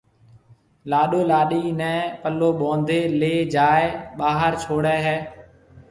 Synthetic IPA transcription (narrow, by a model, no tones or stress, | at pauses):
laːɗoːlaːɗiːnɛ̃ːpəloːɓõːnd̪eːleːd͡ʒaːeɓaːɦəɾt͡ʃʰoːɽɛːɦɛː